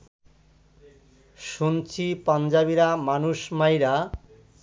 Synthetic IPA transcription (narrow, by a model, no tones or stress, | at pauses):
ʃunt͡ɕʰipand͡ʑaβiɾamanuʃmajɾa